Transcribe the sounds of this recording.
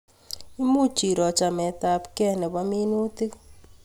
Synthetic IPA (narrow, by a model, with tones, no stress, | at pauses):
i˦mu˦t͡ʃi˨ɾɔ˨t͡ʃa˨mɛ˨ta˨pkɛ˦nɛ˨ba˦mi˦nu˦ti˦